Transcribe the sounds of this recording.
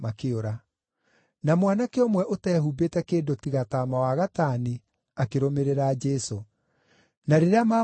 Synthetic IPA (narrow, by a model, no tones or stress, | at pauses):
makeoɾa | namwanakeomwɛʔotɛːhubetɛkeːdotiɣataːmawaɣataːni | akeɾomeɾeɾaːd͡ʒɛso | naɾeɾeama